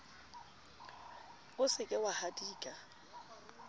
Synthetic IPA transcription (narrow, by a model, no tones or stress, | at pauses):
ʊsɪkʼɪwahadiːkʼa